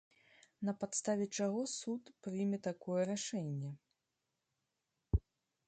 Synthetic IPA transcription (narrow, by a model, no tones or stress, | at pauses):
nɐpat̪st̪avʲɛt͡ʂaɣɔsut̪pɾɨjmʲɛt̪akɔjɛɾaʂɛnʲːɛ